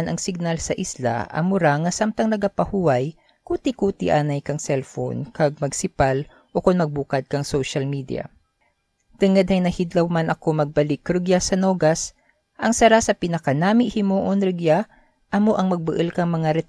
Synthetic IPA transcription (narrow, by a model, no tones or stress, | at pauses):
nʔɐŋsɪɡ̚nalsɐʔɪsla̰ʔɐ̰mʊɾaŋɐsamt̪ɐŋnɐɡapɐhuwɐj | kuːt̪ɪkuːt̪ḭʔaːnɐjkɐŋsɛlfo̰nkɐɡ̚mɐɡsɪpal | ʔokʊnmɐɡ̚buːkɐd̪̚kɐŋsowʃɐlmid̪ḭjɐ̰ | t̪ɨŋɐd̪̚hɐjnɐhid̪lɐwmanʔɐko̞mɐɡ̚bɐlɪkːɾɨɡjasɐnoːɡɐs | ʔɐŋsɐɾasɐpɪnɐkanaːmɪʔhɪmoːʔonɾɪɡja | ʔɐmo̞ʔɐŋmɐɡ̚bɨʔɨlkɐŋmɐŋaɾɛt̪